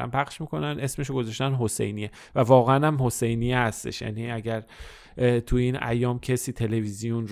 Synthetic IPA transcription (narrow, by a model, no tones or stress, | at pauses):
æ̰mpʰæχʃmiːko̞nænʔe̞sme̞ʃ̬oɡo̞zɒʃt̪ænɦo̞se̞̰jnije | vævɒːɣeænæmhose̞jnijehæst̪e̞̰ʃjæ̰niæɟæɾ | t̪ʰuinæ̰jɒːmcʰesiːt̪ʰe̞le̞vizijun